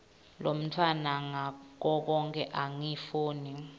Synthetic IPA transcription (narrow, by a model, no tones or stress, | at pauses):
lom̩tʰwanaŋak̬ɔk̬ɔŋkʰɛʔaŋifuːni